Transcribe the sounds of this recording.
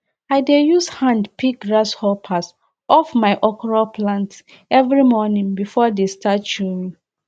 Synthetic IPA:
aɪdejushãndpʰik̚ɡɹashɔpʰas | ʔɔfmaɪʔɔkɔɹalpʰlãnt | ɛvɹimɔnĩŋbifɔdestat̚t͡ʃuĩ

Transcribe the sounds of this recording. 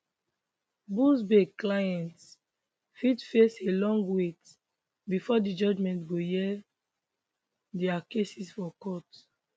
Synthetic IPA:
busbeɡklajɛ̃nt | fitfeselɔ̃ŋɡwet | bifɔdid͡ʒɔd͡ʒmɛ̃ntɡojɛ | dɛakesisfɔkɔt

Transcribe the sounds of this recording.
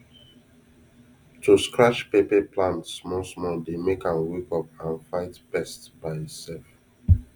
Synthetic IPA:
tʰuskɹat͡ʃpepɛplãntsmɔsmɔldemekãnwekɔp̚ãnfaɪtb̥ɛstb̥aɪitsɛlf

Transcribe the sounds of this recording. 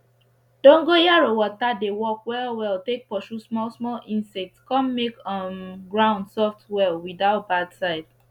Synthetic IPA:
d̥ɔ̃ŋɡojaɹowɔtadewɔkwɛlwɛltek̚pɔʃusmɔlsmɔlĩnsɛk̚tskɔ̃mmekɔnɡɹãʊ̃ndsɔftwɛlwidaʊt̚badsaɪd̥

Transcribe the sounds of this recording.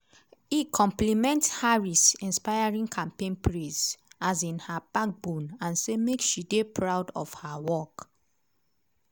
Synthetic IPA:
ikʰɔ̃mplimɛ̃nthaɹisĩnspajaɹĩŋkʰãmpẽnpɹisazĩnhab̥ak̚bũnãnsemekʃidepʰɹawdɔ̰vhawɔk

